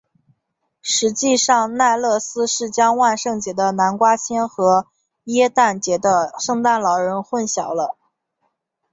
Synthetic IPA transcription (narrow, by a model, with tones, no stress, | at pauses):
ʂɻ̩˧˥t͡ɕi˥˧ʂɑ˥˧ŋna˥˧ɪlɤ˥˩sɹ̩˥ʂɻ̩˥˩t͡ɕjɑ˥ŋwa˥˧nʂɤ˥˩ŋt͡ɕjɛ˧˥d̪ə˧na˧˥nkwa˥t͡ɕʰjɛ˥nxɤ˧˥ | jɛ˥t̪a˥˩nt͡ɕjɛ˧˥d̪ə˧ʂɤ˥˧ŋt̪a˥˩nlɑ˧˥ʊɻə˧˥nxwə˥˩nɕjɑ˨˩ʊlə˦